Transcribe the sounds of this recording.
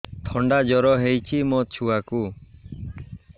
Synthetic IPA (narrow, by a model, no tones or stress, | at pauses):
ʈʰɔɳɖad͡ʒɔɾɔɦejt͡ʃʰimot͡ʃʰuaku